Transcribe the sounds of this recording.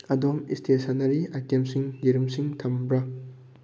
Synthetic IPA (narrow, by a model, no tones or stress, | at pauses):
ɐdomistʰesanɐɾiakemsiŋdiɾumsiŋtʰɐmbɾɐ